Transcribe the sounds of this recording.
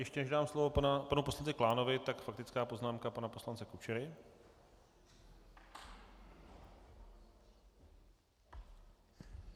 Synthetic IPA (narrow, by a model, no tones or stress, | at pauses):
jɛʃcɛnɛʒdaːmslovo̞apanuposlant͡sɪklaːno̞vɪt̪akfak̚t̪ɪt͡skaːpo̞znaːmkapanaposlant͡sɛkut͡ʃɛɾɪ